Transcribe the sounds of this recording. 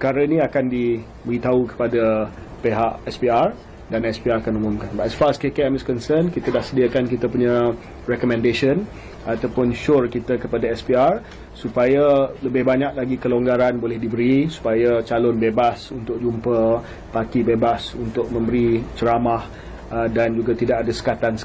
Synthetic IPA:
kaɾənĩakandi | bəɾit̪aukə̥pada | peɦaʔɛspiar | danɛspiarakanumʊ̃mkanbaʔsfaskekɛamiskɔnsənkit̪ədahsədiakankit̪əpuɲa | rɛkɔmɛ̃ndeʃən | at̪awpʊnʃʊrkit̪akəpadaɛspiar | supajaləbɪhbaɲaʔlaɡikəloŋɡaɾanbolɛhdibəɾisu̥pajat͡ʃalɔnbebasunt̪ʊk̚d͡ʒumpə | pakibebasunt̪ʊk̚mə̃mbəɾit͡ʃəɾamah | dand͡ʒuɡat̪idaʔadasə̥kat̪ans

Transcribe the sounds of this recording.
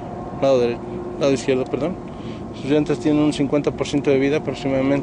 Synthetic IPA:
laðoðeɾe | laðoiskjeɾðopeɾðo̞n | suzʝent̪est̪jenenunsiŋkwent̪apoɾsje̞nt̪oðe̞βiðapɾoksimaðamẽn

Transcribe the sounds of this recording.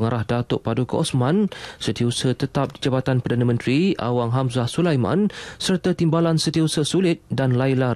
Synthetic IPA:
əŋaɾahdat̪oʔpadukəʔɔsmãnsət̪iusət̪ət̪ap̚did͡ʒabat̪anpərdanãmə̃nt̪ɾia̰waŋɦamzahsulajmã̰nsərt̪at̪imbalansət̪iusəsulɪt̪̚danlajla

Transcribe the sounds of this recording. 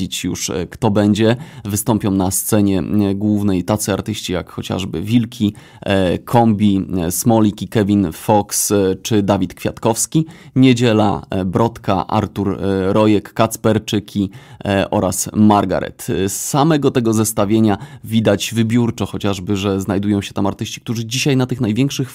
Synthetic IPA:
it͡ɕjṵʂkt̪ɔbɛɲd͡ʑɛvɘst̪ɔmpʲɔ̃w̃nast̪sɛɲɛɡwuvnɛjt̪at̪sɘaɾt̪ɘɕt͡ɕija̰kxɔt͡ɕa̰ʐbɘ̰vʲilkʲʰi | kʰɔmbʲismɔlʲikʲikɛvʲinfɔkst͡ʂɘd̪avʲit̪kfʲjat̪kɔfskʲiɲed͡ʑɛla̰bɾɔt̪ka̰ʔa̰ɾt̪uɾɾɔjɛkːat̪spɛɾt͡ʂɘkʲʰiʔɔ̰ɾasmaɾɡa̰ɾɛ̰t̪ssamɛɡɔt̪ɛɡɔzɛst̪avʲjeɲavʲid̪ad͡ʑvɘbʲjuɾt͡ʂɔxɔt͡ɕaʐbɘʐɛznajd̪ujɔ̃w̃ɕɛ̥t̪amaɾt̪ɘɕt͡ɕi̥k̚t̪uʐɘd͡ʑiɕajnat̪ɘxnajvʲjɛ̃ŋkʂɘx

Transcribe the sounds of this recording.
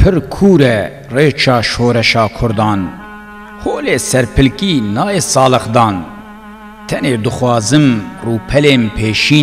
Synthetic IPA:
pʰɨɾkʰuːɾɛ | reːt͡ʃʰɑːʃoːɾɛʃɑːkʰʊɾd̪ɑːn | hoːleːsɛɾpʰɨlkiːnɑːeːsɑːlɨxd̪ɑːn | t̪ʰɛneːd̪ɨxwɑːzɨmruːpʰɛleːnpʰeːʃiː

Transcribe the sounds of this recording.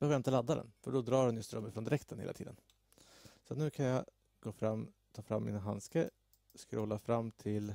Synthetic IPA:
bɛhøːvjaɪnt̪əlad̪ːad̪ɛ̰nfœɖɔd̪ɾɑːhɛnjɪst̪ɾœmːəfɾɔnd̪ɪɾɛkt̪ʰənhḛlat̪ḭːd̪ən | sat̪nʉ̟ːkʰanjɑ | ɡ̥oːfɾamː | t̪ʰɑːfɾamːɪ̰nɦanskə | skɾoːlafɾamːt̪ʰɪl

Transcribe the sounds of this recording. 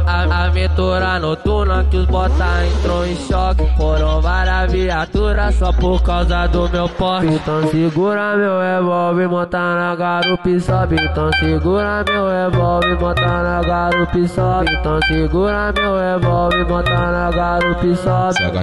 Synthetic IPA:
aamẽt̪uɾanot̪unakɪʊzbot̪aẽt̪ɾõw̃ẽʃɔkɪfoɾɐ̃w̃vaɾɐviat̪uɾɐsɔpoɾkawzɐd̪ʊmewpɔĩt̪ɐ̃w̃siɡuɾamewevɔwvɪmõt̪anaɡaɾupisɔbĩt̪ɐ̃w̃siɡuɾamewevɔwvɪmot̪naɡaɾupisɔbẽt̪ɐ̃w̃siɡuɾamewevɔwvɪmot̪anaɡaɾupisɔbḭ

